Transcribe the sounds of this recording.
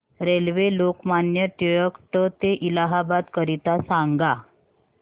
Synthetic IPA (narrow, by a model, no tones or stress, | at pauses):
ɾelʋelokmanjəʈ̪ijəkʈət̪eʔilaɦabad̪kəɾit̪asãŋɡa